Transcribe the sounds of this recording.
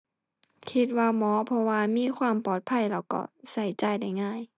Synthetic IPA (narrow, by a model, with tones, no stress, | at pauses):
kʰi˧˥t̪̚waː˧mɔː˨˦pʰɔ˧waː˧miː˧˥˨kʰwaː˧˨mpɔː˨˩t̪̚pʰa˧˥˨jla˧˩wkɔ̰˧˩sa˧˩jt͡ɕa˧˩jda˧˩jŋaː˧˥˨j